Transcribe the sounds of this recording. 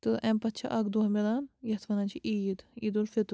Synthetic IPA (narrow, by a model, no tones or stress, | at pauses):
t̪ɨʔɛmpɐt̪̚t͡ʃʰɐ̰ʔɐɡd̪umelanjɐt̪ʰʋɐnɐnʲt͡ʃʰiʔiːd̪iːd̪ulfet̪